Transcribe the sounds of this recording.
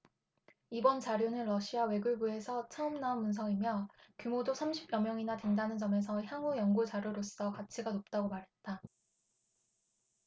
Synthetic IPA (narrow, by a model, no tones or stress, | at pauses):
ibʌnt͡ɕaɾjonɯnɾʌɕʰiawe̞ɡuɭbue̞sʰʌt͡ɕʰaʌmnaonːuns̬ʰʌŋimjʌkjumodosʰamɕʰibjʌmjʌŋinatwendanɯnt͡ɕʌme̞s̬ʰʌçjaŋujʌŋɡut͡ɕaɾjoɾos͈ʌkat͡ɕʰiɡanop̚t͈aɡomaɾɦe̞t̚t͈a